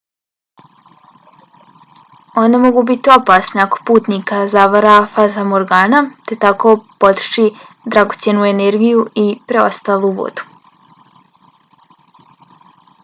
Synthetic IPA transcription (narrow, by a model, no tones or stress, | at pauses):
o̞nd̪amo̞ɡubit̪io̞paːsneako̞̥puːt̪nikazaʋaɾafat̪amoɾɡaːnat̪e̞t̪ako̞po̞t̪ɾʃi | d̪ɾaɡot̪sjenuːeneɾɡijuipɾe̞o̞̰st̪aːluʋo̰d̪̥u̥